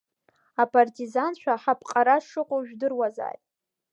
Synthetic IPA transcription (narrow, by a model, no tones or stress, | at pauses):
apʰʼartʰʼizant͡ʃʷʰaħapʰʼqʼaɾaʂɨqʷʼoʒᶣdɨrwaza̰ːjtʼ